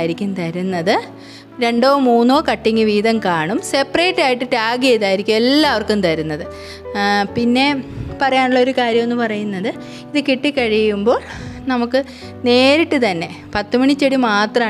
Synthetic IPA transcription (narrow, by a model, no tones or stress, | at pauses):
ajiɾikʲːumt̪ɐɾunːɐðɨ | ɾe̞ɳɖo̞ːmuːnːo̞ːkɐʈːiŋːɨʋiːðɐmkaːɳumse̞pːɐreːʈːaːjiʈːɨtaːɡiejðaːjiɾikʲːumelːaːɐʋɐrkunt̪ɐɾunːɐðɨ | pinːe̞pɐrɐjaːɳuɭːɐo̞ɾukaːɾjɐme̞nːɨpɐrɐjunːɐðɨ | iðɨkiʈːikːɐɻijjumbo̞ːɭ | nɐmukːɨ | ne̞ːɾiʈːɨt̪ɐnːe̞ | pɐt̪ːumiɳit͡ɕːeɽimaːt̪rɐmː